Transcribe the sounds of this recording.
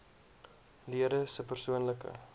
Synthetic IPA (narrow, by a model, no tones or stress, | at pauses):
liəɾəsəpərsuənləkə̰